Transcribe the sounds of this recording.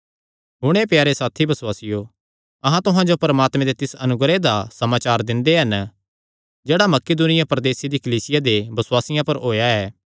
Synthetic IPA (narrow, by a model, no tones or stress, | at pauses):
ɦʊɽ̃epjaːɾesaːt̪ʰibɐswaːsɪjo | ɐɦãt̪ʊɦãd͡ʒopɐɾəmaːt̪mẽd̪et̪ɪsɐnʊɡɾed̪asɐmaːt͡ʃaːɾd̪ɪ̃nd̪eɦɐn | d͡ʒeːɽamɐkeːd̪uːnɪjapɾɐd̪eːsed̪ikɐliːsɪjad̪ebɐswaːsɪjãpɐɾɦoːjaɛː